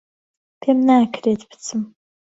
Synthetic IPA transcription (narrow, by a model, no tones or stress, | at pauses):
pʰemnaːkʰreːt̪pʰt͡sʰɨm